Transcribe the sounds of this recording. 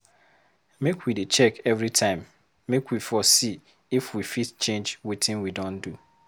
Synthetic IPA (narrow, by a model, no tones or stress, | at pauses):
mekwidet͡ʃɛkɛvɾitʰãɪ̃mː | ekwifɔsi | ifwifitt͡ʃẽnd͡ʒwitɪ̃nwidõndu